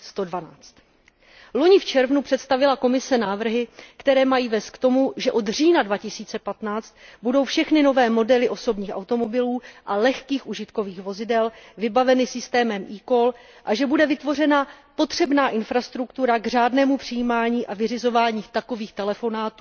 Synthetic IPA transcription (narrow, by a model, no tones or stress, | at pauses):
st̪o̞dvanaːt͡st̪ | lo̞ɲɪft͡ʃɛɾvnupr̝̥ɛt̪st̪avɪlako̞mɪsɛnaːvr̩ɦɪkt̪ɛɾɛːmajiːvɛːst̪̚kt̪o̞muʒɛʔo̞d̪r̝iːnadvacɪsiːt͡sɛpat̪naːt͡st̪̚budo̞wfʃɛxnɪno̞vɛːmo̞dɛlɪʔo̞so̞bɲiːxʔa̰wt̪o̞mo̞bɪluːʔalɛxkiːxʔuʒɪt̪ko̞viːxvo̞zɪdɛlvɪbavɛnɪsɪst̪ɛːmɛmʔiːko̞l | ʔaʒɛbudɛvɪt̪vo̞rɛnapo̞t̪r̝̥ɛbnaːʔɪnfɾast̪ɾukt̪uɾaɡr̝aːdnɛːmupr̥ɪjiːmaːɲiːʔavɪrɪzo̞vaːɲiːxt̪ako̞viːxt̪ɛlɛfo̞naːt̪uː